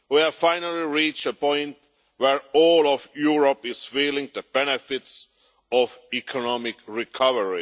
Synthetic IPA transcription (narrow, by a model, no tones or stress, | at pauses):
wiæfãɪ̃nəl̩ˠiɹiːt͡ʃəpʰɔ̃ɪ̃nt | wə˞ɔːlˠɔvjuɹɔpɪz̥filɪ̃ŋðəb̥ɛnɨfɪts | ɔvikʰɔnɔmɪkɹɪkʰʌvəɹi